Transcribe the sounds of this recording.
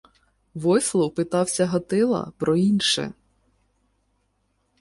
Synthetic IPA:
ʋɔjslˠɔwpɪt̪ɑwsʲɐɦɐt̪ɪlˠɐ̰pɾɔinʃɛ̰

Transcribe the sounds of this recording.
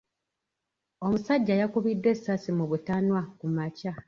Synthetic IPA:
o̞musaɟːajakuβidːwe̞sːasimuβutanwakumaca

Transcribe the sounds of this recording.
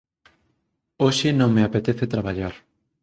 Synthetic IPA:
oʃɪnõŋmeapet̪eθet̪ɾaβaʎaɾ

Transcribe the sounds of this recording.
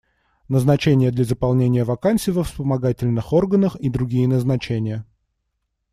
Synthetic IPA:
nəznɐt͡ɕenʲɪjəd̪lʲɐzəpɐlˠnʲenʲɪjəvɐkantsʲɪjvəfspəmɐɡatʲɪlʲnɨxo̞rɡənəxid̪ɾʊɡʲijɪnəznɐt͡ɕenʲɪjə

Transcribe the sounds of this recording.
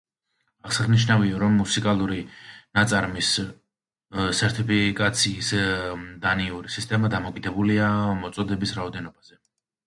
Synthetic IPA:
aʁsaʁniʃnaviɔɾɔmːusikʼalˠuɾinat̪sʼaɾmis | sɛɾt̪ʰipʰikʼat̪sʰiːsd̪aniuɾisist̪ʼɛmad̪amɔkʼid̪ɛbuliamɔt̪sʼɔd̪ɛbisɾaɔd̪ɛnɔbaz̥ɛ

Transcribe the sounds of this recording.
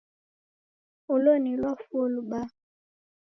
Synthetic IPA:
ulonilwafoluɓa

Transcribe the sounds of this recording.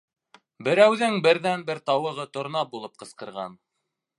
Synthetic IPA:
bɘ̆ɾæwðɘŋbɘ̆ɾðænbɘɾt̪ɑwɤ̆ʁɤt̪ŏɾnɑbulˠɤp̚qɤ̆sqɤ̆ɾʁɑ̰n

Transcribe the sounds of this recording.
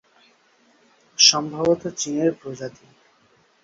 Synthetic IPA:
ʃɔmbʱabot̪ot͡ɕineɾpɾod͡ʑat̪i

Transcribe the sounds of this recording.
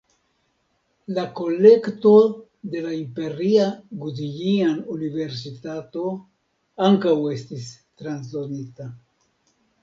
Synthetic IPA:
lako̞le̞kto̞ | d̪e̞laimpe̞ɾiaɡudijianunive̞ɾs̬itato̞ | aŋkawe̞stistɾans̬donita

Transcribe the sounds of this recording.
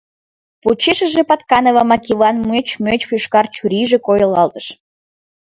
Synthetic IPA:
put͡ɕeʃəʒepɑt̪kɑnovɑmɑkʲivɑnmuet͡ɕmøt͡ɕpuʃkɑrt͡ɕuɾiʒekojəlɑlt̪ə̥ʃ

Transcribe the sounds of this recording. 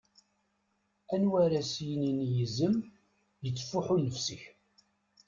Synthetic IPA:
ænwæɾæsjəninjəzəm | jət͡sːfːʊħunəfsəç

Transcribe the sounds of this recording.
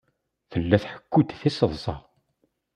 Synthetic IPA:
θəlːæθħə̥kːud̪θisəðˤsˤɑ̰

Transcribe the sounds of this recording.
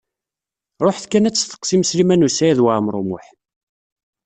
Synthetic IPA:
ɾˤoħθkːænæt͡sːθə̥qːsimslimænusæjæðwaʕmɾˤomʊ̰ħ

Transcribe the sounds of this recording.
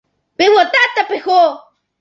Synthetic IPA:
pewot̪aʔt̪apexo

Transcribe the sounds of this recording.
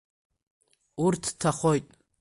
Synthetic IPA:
uɾt̪ʰtʰaχojt̪ʼ

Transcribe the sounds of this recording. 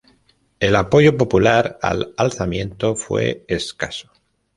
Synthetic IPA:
e̞lapo̞ʝo̞po̞pulaɾa̰lalθamjẽ̞nt̪o̞fwe̞̰eska̰so̥

